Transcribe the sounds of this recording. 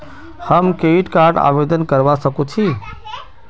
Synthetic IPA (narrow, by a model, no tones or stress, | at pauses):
həmkeiʈkaɾɖa̰ʋed̪ənkəɾʋasəkũt͡ʃʰi